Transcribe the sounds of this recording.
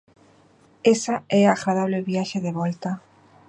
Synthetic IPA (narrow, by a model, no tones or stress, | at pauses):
esaɛaɣɾað̞aβleβjaʃeðeβɔlt̪a